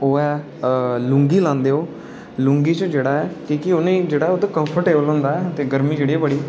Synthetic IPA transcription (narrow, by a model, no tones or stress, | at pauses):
oːɛː | lʊ̃ŋɡiːlãːnd̪eːoː | lʊ̃ŋɡiːt͡ʃəd͡ʒeːɽaːɛːkiːkɪonẽːd͡ʒeːɽaːot̪õːkə̃mpʰəɾʈeːbəlɦõːnd̪aːɛːət̪eːɡəɾmiːd͡ʒeːɽiːɛːbəɽiː